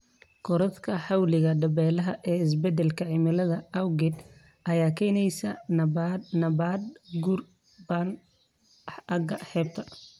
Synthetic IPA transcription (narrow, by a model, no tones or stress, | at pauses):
kʰʊɾɐt̪kʰɐħɑwlɪɣɐɖɐbɛːlɐɦɐʔɛːɪs̬bɛd̪ɛlkʰɐʕɪmɐlɐðɐɐwɡɪd̪ | ʔɐjaːkʰɛːnɛjsɐ | nɐbaːd̪ɡur | ban | ɐɡɐħɛːbt̪ʰɐ